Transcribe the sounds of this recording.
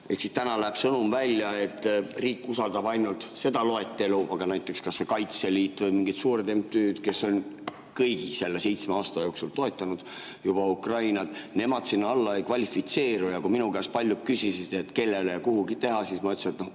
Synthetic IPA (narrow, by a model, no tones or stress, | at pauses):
e̞ksist̪ænɑlæːb̥sɤnumvælʲjɑe̞t̪ːriːkːusɑld̪̥ɑbɑjnult̪se̞d̪ɑlo̞e̞t̪ːe̞luʔɑɡ̥ɑnæjt̪ːˑe̞kskɑssekɑjt̪seliːt̪ːˑvɤjmiŋɡit̪suːɾed̪empt̪yːd̪̥ke̞so̞n | kɤjɡ̥ise̞lːe̞se̞jt̪smeɑːst̪ɑjo̞ːksult̪o̞e̞t̪ːˑɑnud̪̥jub̥ɑukrɑjnɑd̪̥ne̞mɑd̪̥sinːɑlːɑejkvɑlʲifit̪se̞ːɾujɑkuminuɡæspɑlʲːjut̚kysisid̪̥et̪ke̞lːe̞lejɑkuhuɡit̪e̞ɦɑsiːsmɑyt̪suet̪no